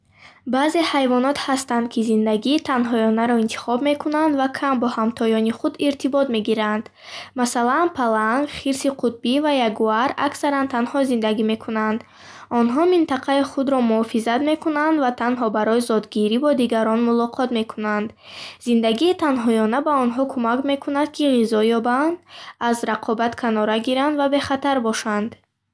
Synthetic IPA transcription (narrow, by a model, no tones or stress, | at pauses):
baze̞hajvɔnɔt̪hast̪and̪̚kʰizind̪aɡiːt̪ʰanɦɔjɔnaɾɔint̪ʰi̥χɔbme̞kʰunand̪vakʰambɔhamt̪ʰɔjɔniχud̪iɾt̪ʰibɔt̪me̞ɡiɾand̪̥ | masalanpʰalaŋɡχiɾsiqʰut̪̚bivajaɡuaɾaksaɾant̪ʰanhɔzind̪aɡime̞kʰunand̪ | ɔnɦɔmint̪aqʰaiχud̪ɾɔmuhɔfizat̪me̞kunand̪vat̪ʰanɦɔbaɾɔjizɔd̪ɡiɾibɔd̪iɡaɾɔnmulɔqʰɔt̪me̞kʰunand̪ | zind̪aɡiːt̪ʰanɦɔjɔnabaɔnɦɔkʰumakme̞kʰunad̪̚kʰiʁizɔjɔband̪azɾaqʰɔbat̪kʰanɔɾaɡiɾand̪vabe̞χat̪ʰaɾbɔʃand̪